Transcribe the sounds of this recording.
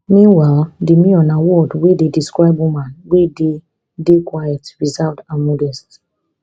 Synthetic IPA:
mĩnwaldemĩɔ̃nawɔdwedediskɹaɪbũmãnwede | dekwajɛtɹizavdãnmɔdɛst

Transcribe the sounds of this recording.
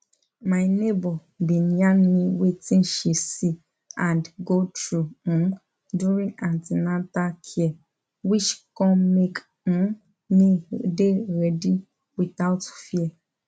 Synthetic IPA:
majnebɔ | bĩnjãnmĩwetĩnʃesi | ãndɡotɹuũn | duɹĩŋãntinatakʰiɛ | wit͡ʃkɔ̃nmek | ũn | nideɹɛdi | wiθaʊtfiɛ

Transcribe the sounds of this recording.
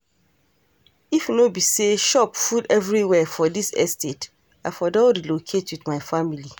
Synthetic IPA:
ifnobiseʃɔpfudɛvɹiwɛfɔdisɛ̰stʰet | afɔdɔdilokʰetwiðmaɪfamili

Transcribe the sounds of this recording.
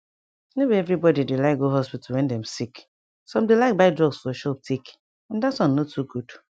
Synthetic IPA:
nobiɛvɹibɔdidelaɪk̚ɡoɦɔspitwɛ̃ndɛ̃msik | soãmdelaɪk̚baɪdɹɔɡsfɔʃɔp̚tʰik | ɛ̃ndatswɔ̃nnotʰuɡud̥

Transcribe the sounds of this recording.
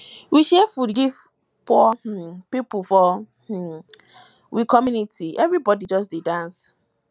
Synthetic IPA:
wiʃɛfudɡiv | pɔh̩pipufɔ | h̩ | wikʰɔmjunitʰiʔɛvɹibɔdid͡ʒɔs̬didãns

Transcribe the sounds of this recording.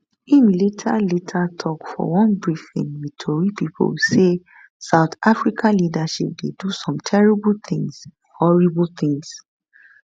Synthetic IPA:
ĩnletʰaletʰatʰɔkfɔ̰wɔ̃nbɹifḭ̃nmitʰoɹipipʰo̰lse | saʊt̪afɹikʰãnlidaʃip̚dedusɔ̃mtʰɛɹiblθĩŋs | hɔɹiblθĩŋs

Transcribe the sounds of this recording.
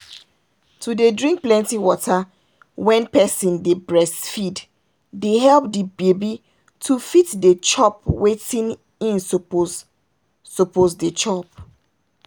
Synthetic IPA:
tʰudedɹĩŋk̚plɛ̃ntiwɔtʰa | wɛ̃npɛsĩndebɹɛsfid | deɦɛlp̚dibebi | tʰufitdet͡ʃɔpwetĩn | ĩn | sopozdet͡ʃɔp̚

